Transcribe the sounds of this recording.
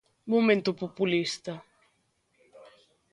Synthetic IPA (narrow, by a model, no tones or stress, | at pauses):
momẽnt̪opopulist̪a